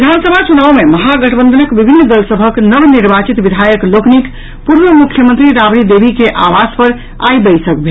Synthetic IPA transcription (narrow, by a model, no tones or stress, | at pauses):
id̪ʱansəbʱat͡ʃunawmeməɦaɡəʈʰbənd̪ʱənəkbibʱinːd̪əlsəbʱəknəbniɾbat͡ʃit̪bid̪ʱajəkloknik | puɾʋəmukʰjəmə̃nt̪ɾiɾabɾid̪ebʱikeʔaʋaspəɾ | a̰jbəjsəkbʱe